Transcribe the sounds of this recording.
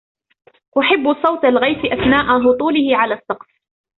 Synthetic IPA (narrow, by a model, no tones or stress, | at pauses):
ʔʊħɪbːsˤɑwt̪alɣajfɪʔaθnaːʔaɦʊt̪ˤuːlɪhɪʕalaːsˤːɑqf